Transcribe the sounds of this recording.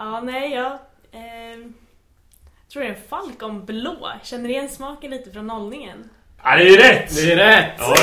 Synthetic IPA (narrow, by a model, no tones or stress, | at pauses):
ɑːnɛɪjɑː | t̪ʰɾuːɖ̪ɛnfalkɔmbloːɕɛnːəɾɪjɛnːsmɑːkənliːt̪əfɾɔnːɔlnɪŋən | ad̪ɛjɛɾɛd̪ɛɛɾɛ